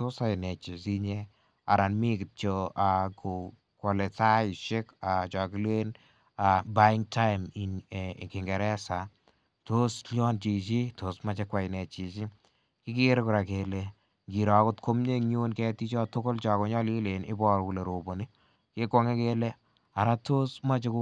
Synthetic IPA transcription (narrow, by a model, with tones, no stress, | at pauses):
to˦sa˨ɪ˨nɛ˨t͡ʃi˨si˦ɲe˦ | a̰˨ɾa˨nmi˦kɪ˨tt͡ʃoa˨ku˨ | kɔ˨le˨ta˦i˨ʃe˦ka˨t͡ʃɔ˨ki˦lwe˦n | a˨ba˦iŋ̚tʰa˦ɪmi˨kɪ˨ŋɡɛ˨ɾɛ˦sa˨ | to˦slɔ˦nt͡ʃi˨t͡ʃi˦to˨sma˦t͡ʃɛ˦kwa˨jnɛ˨t͡ʃi˨t͡ʃi˦ | ki˦ki˦ɾkʊ˨ɾa˨ke˨le | ŋɡi˨ɾɔ˨ko˦tkʰo˦mɲe˦ɲu˦nkɛ˦ti˦t͡ʃɔ˦to˦ko˦lt͡ʃɔ˨ko˦ɲɔ˦li˦le˨nɪ̰˦bɔ˦ɾku˨le˨ɾo˨bo˨ni˦ | ke˦ko˦ŋe˦ke˦le˦ | a˨ɾa˦to˦sma˦t͡ʃe˦ku˦